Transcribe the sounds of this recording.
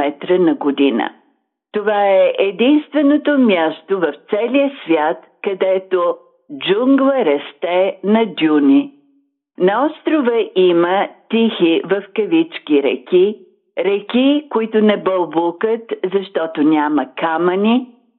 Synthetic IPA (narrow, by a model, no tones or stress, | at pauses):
ɛt̪ɾənɐɡod̪inə̰ | t̪ovaɛʔɛd̪inst̪vɛnot̪omʲjast̪ovɐft̪sɛliəsvʲjat̪ | kɐd̪ɛt̪o | d͡ʒuŋɡlˠəɾɐst̪ɛnɐd̪ʲunʲi | nɐɔst̪ɾovəʔimət̪ixivɐfkɐvit͡ʃkʲiɾɛ̰kʲi | ɾɛkʲikʊit̪ʊnɛbɐlˠbukət̪zɐʃt̪ɔt̪onʲamɐkamɐnʲi